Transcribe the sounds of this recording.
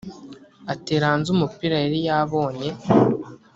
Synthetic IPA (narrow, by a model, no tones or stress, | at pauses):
ate̞ːɾaːnzumupiɾaeɾijaβo̞ːɲe̞